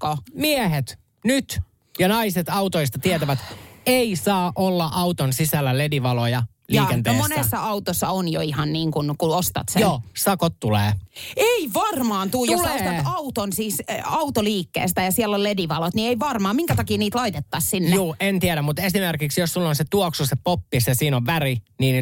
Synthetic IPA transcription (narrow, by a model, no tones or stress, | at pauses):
komiehet̪ | nyt̪ | jɑnɑiset̪ɑut̪oist̪ɑt̪iæt̪æʋæt̪eisɑːʔolːɑʔɑut̪onsisælːælediʋɑlojɑ | liːkent̪ːmonesːɑɑut̪osːɑonjoihɑnniːŋkunkuost̪ɑ̰t̪sejonːsɑkot̪tulḛːeiʋɑrmɑːnt̪uːjt̪ouslost̪ɑt̪ɑut̪onsiːsɑut̪oliːkːḛːst̪ɑjɑsiɛlːollediʋɑlot̪nieiʋɑrmɑːmiŋkæt̪ɑkiːniːt̪lɑit̪et̪ːɑssinːjeuːʔent̪iæɾæmmut̪esimerkiksjosːulːonset̪uoksusepopːisjɑsiːnoʋʋæriniːn